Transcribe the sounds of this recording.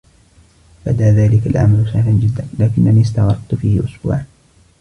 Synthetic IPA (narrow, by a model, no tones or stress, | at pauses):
bad̪aːðaːlɪkalʕa̰malʊʃahland͡ʒɪd̪ːaːlaːkɪnːaniːst̪ɑɣɾˤɑqt̪fiːhɪʔʊsbṵːʕan